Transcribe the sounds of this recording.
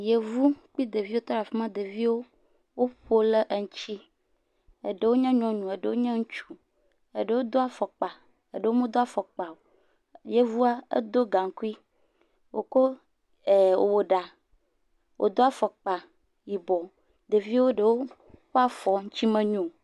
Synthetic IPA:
je˨vu˦k͡pi˦d̪e˨vi˦wo˦t̪a˦ɾa˨fi˦mã˦d̪e˨vi˦wo˦ | wo˦ɸo˦le˦ʔə˨ŋ̩˦t͡ɕi˦ | e˨ɖe˨wo˦ɲɛ̃˦ɲɔ̃˨ɲũ˨e˨ɖe˨wo˦ɲɛ̃˦ŋũ˦t͡ʃu̥˦ | e˨ɖe˨wo˦d̪o˦a˨fɔ˨k͡pa˨ | ḛ˨ɖe˨wo˦mũ˦d̪o˦a˨fɔ˨k͡pa˨o˨ | je˨vu˦a˦ḛ˦d̪o˦ɡã˨ŋ˦ku˦i˦ | wo̰˨ko˦ | e˨wo˨wo˨ɖa˨ | wʔo̰˨d̪o˦a˨fɔ˨k͡pa˨ | ji˨bɔ˨ | d̪e˨vi˦wo˦ɖe˨wo˦ | ɸo˦a˦fɔ˨ŋũ˦t͡ɕi˦mẽ˦ɲũ˦˨

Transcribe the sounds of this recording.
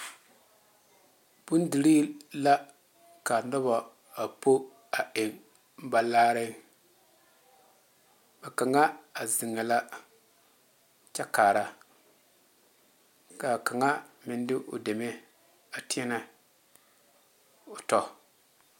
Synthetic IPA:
b̥ʊ˦n˦di˨ɾiː˦la˦ | ka˨nɔ˦ba˨ | a˨po˦ | a˨ʔe˨ŋ˦ | ba˨laː˦ɾɪ˦ | ba˨ka˨ŋa˦a˨zɪ˨ŋːa˨la˦ | t͡ʃɛ˦kaː˨ɾa˦ | ka˨ka˨ŋa˦mɪ˦ndɪ˦ʔʊ̰˨de˨me˦ | a˨tɪ˦ɛ˦na˦ | ʊ˨tɔ˦

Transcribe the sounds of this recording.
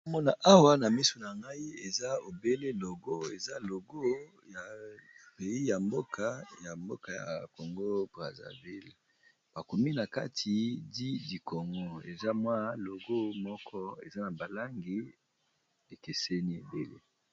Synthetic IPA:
mɔ˦na˨ʔa˦wa˦na˨mi˦so˨na˨ŋɡa˦i˦e˨za˦o˨be˦le˦lo˨ɡo˦e˨za˦lo˨ɡo˦ | ja˨pe˨i˦ja˨mbo˦kʰa˦ja˨mbo̰˦ka˨ja̰˨ko˨ŋɡo˦bʁa̰˨za̰˨vi˦˨l | b̥a˨ko˨mi˦na˨ka̰˦tʰi˨di˦di˨kʰo˨ŋɡo˦ḛ˨za˦mwa˦lo˨ɡo˦mɔ˦kʰɔ˦ḛ˨za˦na˨ba˨la˦ŋɡi˦ | e˨ke˨se˦ni˦e˨be˦lḛ˦

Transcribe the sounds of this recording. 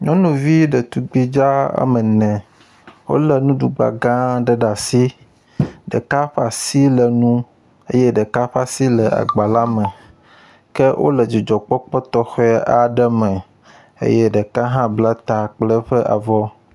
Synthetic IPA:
ɲɔ̃˦nũ˨vi˦ɖɛ˨t̪u˨ɡ͡bi˦d͡ʒa˦a̰˦mɛ˨nɛ̃˨ | wo̰˦lɛ˨nũ˦ɖu˨ɡ͡ba̰˨ɡã˦ɖə˦ɖa˨si˦ | ɖɛ̰˨ka˦ɸa˨si˦lɛ˨nũ˦ | ḛ˦jɛ˦ɖɛ˨ka˦ɸa˦si˦lɛ˨a̰˨ɡ͡ba˨la˦mɛ˨ | kɛ˦ʔo̰˦lɛ˨d͡ʒi˨d͡ʒɔ˨k͡pɔ˦k͡pɔ˦t̪ɔ˦xɔ˦ɛ˦ʔa˨ɖɛ˦mɛ̃˨ | ḛ˦jɛ˦ɖɛ˨ka˦ɦã˦bla˦t̪a˨k͡plɛ˦ɸɛ˦ʔa̰˨vɔ˦

